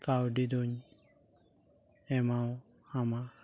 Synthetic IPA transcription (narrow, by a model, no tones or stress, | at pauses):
kawɖid̪oɲ | ɛmao | hama